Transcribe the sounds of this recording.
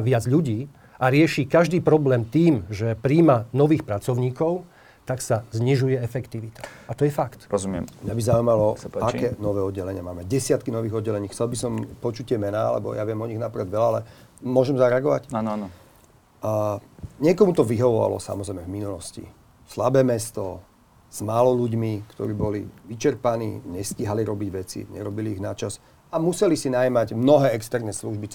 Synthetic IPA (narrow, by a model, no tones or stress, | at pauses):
ʋɪad͡zʎuɟiː | ʔaɾɪɛʃikaʒd̪iːpɾɔblɛːmt̪iːmʒɛpɾiːmanɔʋiːxpɾat͡sɔʊɲiːkɔʊ | t̪aksazɲiʒujɛɛfɛkt̪iʋit̪ḁat̪ɔjɛfakt̪ɾɔzumɪɛ̰mmɲabizaumalɔaakkɛːnɔʋɛːɔd̪̚ɟɛlɛɲɪamaːmɛɟɛsɪat̪kinɔʋiːɣɔd̪̚ɟɛlɛɲiːxt͡sɛlbisɔmpɔt͡ʃut̪ːɪɛmɛnaːa̰lɛ̰bɔ̰jaʋɪɛmɔɲiɣnapɾɛd̪ʋɛlaalɛmʊɔʒɛmzaɾɛaɡɔʋacanan | ɲɪɛkɔmut̪ɔʋiɦɔʋɔʋa̰lɔ̰sa̰mɔzɾɛjmɛvminulɔscḭ | slabɛːmɛst̪ɔ | z̥maːlɔʎuɟmikt̪ɔ̰ɾiːbɔliʋit͡ʃɛɾpanḭːɲɛsciɦaliɾɔbiɟʋɛt͡sḭɲɛ̰ɾɔbiliːɣnat͡ʃas | amusɛlisinajmaɟmnɔɦɛːɛkst̪ɛɾnɛsluʒbit͡s